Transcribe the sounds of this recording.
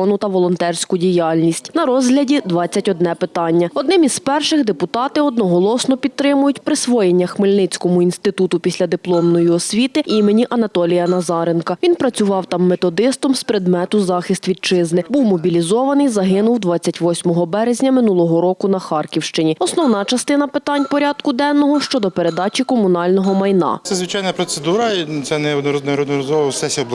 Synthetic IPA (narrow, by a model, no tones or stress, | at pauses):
ɔnʊt̪ɐʋɔlˠɔnt̪ɛrsʲkʊdʲijɑlʲnʲisʲtʲnɐɾɔzɦlʲɐdʲid̪ʋɑt͡sʲːɐtʲɔd̪nɛpɪt̪ɑnʲːɐɔd̪nɪmizpɛrʃɪxd̪epʊt̪ɑt̪ɪɔd̪nɔɦɔlˠɔsnɔpʲid̪̚t̪ɾɪmʊjʊtʲpɾɪsʋɔjenʲːɐxmɪlʲnɪt͡sʲkɔmʊinst̪ɪt̪ut̪ʊpʲisʲlʲɐd̪ɪplˠɔmnɔjiɔsʲʋʲit̪ɪʔimenʲiʔɐnɐt̪ɔlʲijɐnɐzɑɾenkɐʋʲinpɾɐt͡sʲʊʋɑwt̪ɑmːet̪ɔd̪ɪst̪ɔmspɾɪd̪mɛt̪ʊzɑxɪst̪ʋʲid̪̚t͡ʃɪznɪbuwmɔbʲilʲizɔʋɐnɪjzɐɦɪnʊwd̪ʋɑt͡sʲːɐtʲʋɔsʲmɔɦɔbɛɾezʲnʲɐmɪnulˠɔɦɔɾɔkʊnɐxɑrkʲiwʃt͡ʃɪnʲiɔsnɔwnɑt͡ʃɐst̪ɪn̪ɐpɪt̪ɑnʲpɔɾʲɑd̪kʊd̪ɛnːɔɦɔʃt͡ʃɔd̪ɔpeɾe̞d̪ɑt͡ʃʲikɔmʊnɑlʲnɔɦɔmɐjnɑ̰t̪sɛzʋɪt͡ʃɑjnɐpɾɔt̪sed̪uɾɐt̪sɛnɛɾɔnɛɾɔd̪nɔɾɔzɔʋˠɔsɛsʲiɔb̪ˠ